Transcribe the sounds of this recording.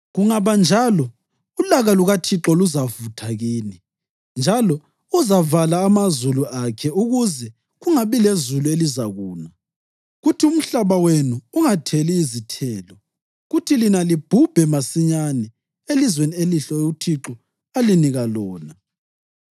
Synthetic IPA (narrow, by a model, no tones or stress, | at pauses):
ɣuŋaβand͡ʒʱalɔ | ulaɣaluɣatʰiǁɔluzavutʰaɣiːni | nd͡ʒʱalɔ | uzavalaːmazuluʔakʰɛuɣuzɛ | ɣuŋaβilezuluelizaɣuːna | ɣutʰium̩ɬaβawenuːŋatʰeliːzitʰɛːlɔ | ɣutʰilinalib̥ʱub̥ʱɛmasiɲanɛ | elizwenieliɬɔutʰiǁɔ | aliniɣalɔːna